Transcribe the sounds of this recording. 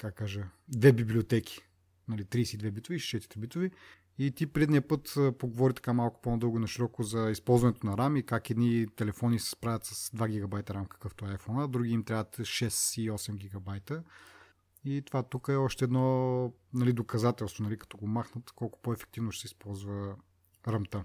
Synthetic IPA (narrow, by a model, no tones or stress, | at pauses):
kakkːaʒəd̪vɛbiblʲiot̪ɛkʰʲi̥ | nɐlit̪ɾiːsiːd̪vɛbit̪oviʃʃɛt̪it̪ɾɛbit̪ovi | it̪ipɾiɛd̪niəpɤt̪ːpoɡovɔɾit̪ɐ̥kamalˠkʊ̥ponɐd̪ɤlˠɡoinɐʃiɾɔkʊzɐispɔlˠzvɐnɛt̪onɐɾamikakɛd̪nit̪ɛlɛfɔnisɛ̥spɾavʲɐt̪sɐsd̪vaɡʲiɡɐbajt̪ɐɾamkə̥kəft̪ovaːjfɔnəd̪ɾuɡʲiimt̪ɾʲavɐt̪ʃɛsiɔsɛmɡʲiɡɐbajt̪ə | it̪ovat̪ukəɛɔʃt̪ɛːd̪nɔnɐlid̪okɐzat̪ɛlˠst̪vonɐlikɐ̥t̪ɔɡomaxnət̪kɔlˠkʊ̥poɛfɛ̥k̚t̪ivnoʃɛ̥sɛispɔlˠzvə | ɾɐmt̪ə